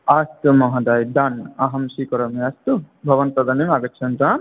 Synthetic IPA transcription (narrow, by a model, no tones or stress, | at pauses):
aːst̪umɐɦɐd̪aːjd̪aːnɐɦɐmʃikɐɾɐmiaːst̪u | bʱɐʋɐnt̪ɐd̪ɐnimɐɡɐtːt͡ʃʰɐnd̪ɾaː